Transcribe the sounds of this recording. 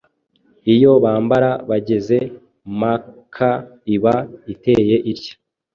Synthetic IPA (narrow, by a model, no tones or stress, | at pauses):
ijo̞βaːmbaɾaβaɟe̞ze̞ | makʰaiβaite̞ːje̞ʔiɾcḁ